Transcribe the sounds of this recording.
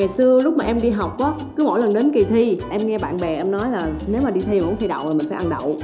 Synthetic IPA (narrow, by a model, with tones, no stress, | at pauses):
ŋaː˨˩jsɨ˧əlʊ˦˥k͡p̚maː˨˩ʔɛ˧mɗi˧ɦa˨˩wk͡p̚ʔɔː˨˦kɨ˨˦mo̰˧˥˨jlə˨˩nɗe˨˦nki˨˩t̪ʰi˧ʔɛ˧mŋɛ˧ɓa̰ː˧˨nɓɛ˨˩ʔɛ˧mnɔ˨˦jlaː˨˩ne˨˦wmaː˨˩ɗi˧t̪ʰi˧˨kʊ̰˧˥t̪ʰi˧jɗa̰˧˨waː˨˩mï˨˩ŋ̟faː˧˦ʔa˧nɗə̰˧˨w